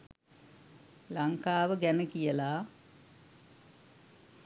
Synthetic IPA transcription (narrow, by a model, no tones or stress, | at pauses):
laŋkaːʋəɡænəkijəlaː